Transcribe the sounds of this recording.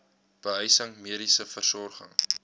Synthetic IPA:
b̥əɦœjsəŋmiəɾisəfərsɔrχə̰ŋ

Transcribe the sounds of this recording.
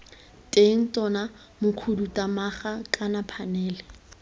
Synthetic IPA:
tʼeŋ̩tʼɔna | mʊkʰudutʼamaχakʼanapʰanɛːlɛ

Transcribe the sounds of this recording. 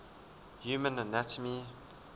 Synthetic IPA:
juːmə̃nənatʰəmi

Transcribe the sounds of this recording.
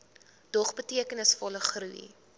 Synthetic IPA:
d̥ɔχbətiəkənəsfɔləχruḭ

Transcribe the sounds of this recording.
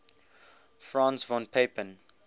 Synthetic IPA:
fɹɑ̃ːnsvɔ̃npʰeɪpə̃n

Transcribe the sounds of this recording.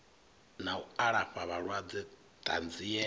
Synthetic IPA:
nauaɺaɸaβaɺwad͡zɛ | tʼa̰nd͡ziɛ

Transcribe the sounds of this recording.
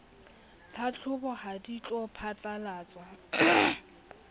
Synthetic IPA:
tʰat͡ɬʰʊbɔhadit͡ɬʼɔpʰatʼalaːt͡sʼwa

